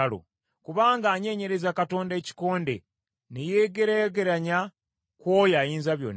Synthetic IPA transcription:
alo̰ | kuβaːŋɡaːɲe̞ːɲe̞ɾe̞zakato̞ːnde̞ːci̥ko̞ːnde̞̰ | neje̞ɡeɾaɡeɾaɲa | kwoːjajiːnzaβjo̞̰ːnː

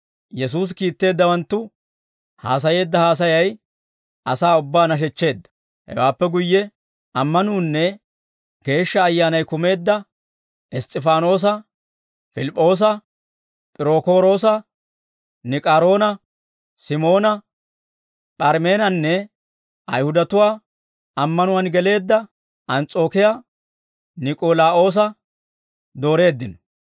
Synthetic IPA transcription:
jɛsuːs̬kiːt̪ːe̞ːd̪ːɐwɐnt̪ːʊ | ha̰ːs̬ɐje̞ːd̪ːɐhaːs̬ɐjɐj | ʔɐsaːʊbːaːnɐʃ̬ɛt͡ʃːe̞ːd̪ːɐ̥ | hɛ̰waːpːɛɡʊjːɛ | ʔɐmːɐnuːnːɛ | ɡ̥e̞ːʃːɐːjːaːnɐjkʊme̞ːd̪ːɐ | ʔɪst̪ʼːɪfaːno̞ːs̬ɐ | fɪlɪpʼːo̞ːs̬ɐ | pʼɪɾo̞ːko̞ːɾo̞ːs̬ɐ | nɪkʼaːɾo̞ːnɐ | sɪmo̞ːnɐ | pʼɐɾme̞ːnɐnːɛ | ʔɐ̰jhʊd̪ɐt̪ʊwaː | ɐmːɐnʊwɐnɡɛle̞ːd̪ːɐ | ɐnt͡sʼo̞ːkɪjaː | nɪkʼoːlaːʔo̞ːs̬ɐ | d̪o̞ːɾe̞ːd̪ːɪnɔ

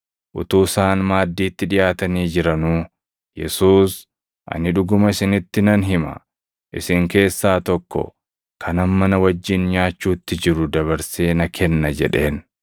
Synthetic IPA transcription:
ʔʊt̪uːsaːnmaːd̪ːiːt̪ːɪᶑɪjaːt̪ɐniːd͡ʒɪɾɐnuː | jɛ̰suːs | ʔɐ̰nɪᶑʊɡʊmɐɪsɪnɪt̪ːɪnɐnɦɪmɐ̰ | ʔɪ̰sɪŋke̞ːsːaːt̪ɔkːɔ̰ | kʰɐnɐmmːɐnɐwɐd͡ʒːɪnɲaːt͡ʃːuːt̪ːɪd͡ʒɪɾʊd̪ɐβɐɾse̞ːnɐkʰɛnːɐd͡ʒɛ̰ᶑe̞ːn

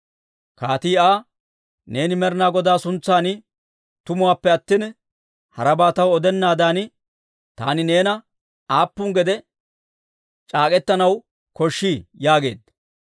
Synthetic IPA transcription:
kaːt̪iːaː | ne̞ːnɪmɛɾnaːɡɔd̪aːsʊnt͡sːaːnɪ | t̪ʊmʊwaːpːɛɐt̪ːin | hɐɾɐbaːt̪ɐwɔd̪ɛnːaːd̪aːnɪ | t̪a̰ːnɪne̞ːnɐ | aːpːʊŋɡɛd̪ɛ | t͡ʃʼaːkʼɛt̪ːɐnɐw | kɔʃːiːjaːɡe̞̰ːd̪

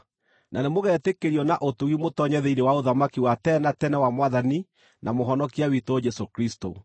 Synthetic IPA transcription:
nʔanemoɣɛːtekeɾiɔnaʔotuɣimotɔɲɛðeinewaoðamakiwatɛnatɛnɛwamowaðani | nʔamoɦɔnɔkiawitod͡ʒɛsokɾisto

